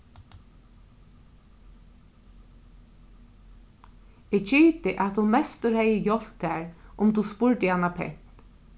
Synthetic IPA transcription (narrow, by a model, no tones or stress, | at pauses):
ɛɡt͡ʃʰiːt̪ɪʔat̪hʊnmɛst̪əɹhɛjəjɔl̥t̪æːɹʊmt̪uspʊɹt̪ɪanːapʰɛ̰n̥t̪